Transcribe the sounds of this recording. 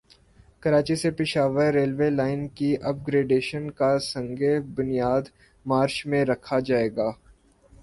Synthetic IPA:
kɐɾaːt͡ʃisepɪʃaːʋəɾːeːlʋeːlaːɪnkiʔɐb̚ɡɾeːɖeːʃənkasɐ̃ŋɡebʊnijaːd̪ | maːɾʃmẽɾɐkʰad͡ʒaːeːɡaː

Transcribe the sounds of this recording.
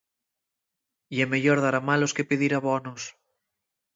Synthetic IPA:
iɛmeʎoɾðaɾamaloskepeðiɾaβɔnos

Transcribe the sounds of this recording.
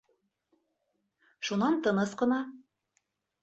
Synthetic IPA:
ʃunɑnt̪ɤ̆nɤsqɤ̆nɑ

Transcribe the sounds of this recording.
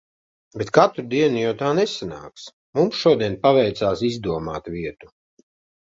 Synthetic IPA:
bet̪̚kat̪ɾud̪iɛnujawt̪aːnɛsana̰ːks | mumsʃuɔd̪iɛnpavɛjt̪saːsizd̪uɔmaːt̪viɛt̪u̥

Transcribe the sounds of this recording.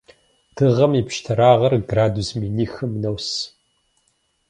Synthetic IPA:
tʰɨʁɐmipʃtʰɐɾaːʁɐrɡraːdusminiːxɨmnɐws

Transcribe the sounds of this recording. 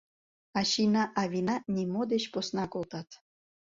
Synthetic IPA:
ɑɕinɑʔɑvʲinɑnʲimod̪et͡ɕposnɑkolˠt̪ɑt̪

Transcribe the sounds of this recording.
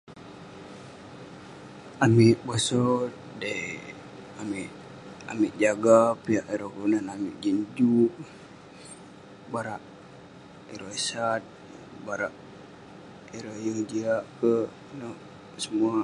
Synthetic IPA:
amiʔbosɔt̪̚ | dei | amiʔ | a̰miʔd͡ʒaɡapiaʔiɾokunanamiʔd͡ʒiɲd͡ʒuʔ | baɾaʔ | iɾoisat̪̚ | baɾaʔ | iɾojəŋd͡ʒiaʔkə | nɔʔ | səmua

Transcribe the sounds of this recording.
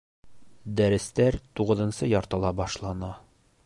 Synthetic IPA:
d̪æɾɘ̆st̪æɾt̪uʁɤ̆ðɤ̆nsɤjɒɾt̪ɤ̆lˠɑbɒʃlˠɑnɑ

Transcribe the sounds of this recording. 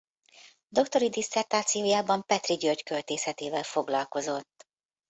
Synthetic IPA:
d̪o̞kt̪o̞ɾid̪isːɛrt̪aːt̪sijoːjaːbɒmpɛt̪riɟørckølt̪eːsɛt̪eːvɛlfo̞ɡlɒlko̞zo̞t̪ː

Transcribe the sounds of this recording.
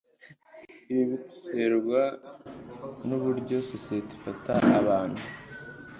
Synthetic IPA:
iβiβitu̥seɾɡwa | nuβuɾɟo̞sosiete̥fataʔːβaːn̥hu

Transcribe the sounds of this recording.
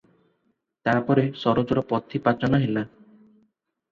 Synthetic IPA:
t̪apɔɾesɔɾod͡ʒɔɾɔpɔt̪ʰipat͡ʃɔñɔɦela

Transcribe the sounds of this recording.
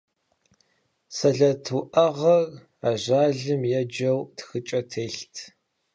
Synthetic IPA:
sɐɮɐtʰuʔɐʁɐr | aːʑaːɮɨmjɛd͡ʒɐwtxɨt͡ʃʼɐtʰeːɬtʰ

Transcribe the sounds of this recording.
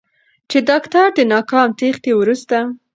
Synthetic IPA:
t͡ʃed̪ɑkt̪aɾd̪ənɑkɑmt̪exd̪ewɾust̪a

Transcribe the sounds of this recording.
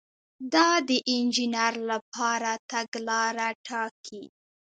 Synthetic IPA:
d̪ɑd̪əʔɪnd͡ʒinaɾlapʰɑɾat̪aɡlɑɾaʈʰɑkʰi

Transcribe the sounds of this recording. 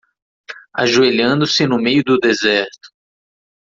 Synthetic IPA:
a̰ʒueʎɐ̃nd̪ʊsɪnʊmejʊd̪ʊd̪ezɛɾt̪ʊ̥

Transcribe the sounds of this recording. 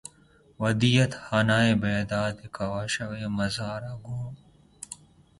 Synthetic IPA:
wɐd̪ijɐt̪haːnaːebeːd̪aːd̪ekʰɐwaːʃɐweːmɐzaːɾaɡuːm

